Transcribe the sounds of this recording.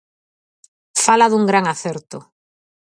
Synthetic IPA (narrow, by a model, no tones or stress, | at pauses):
falaðuŋɡɾaŋaθɛɾt̪ʊ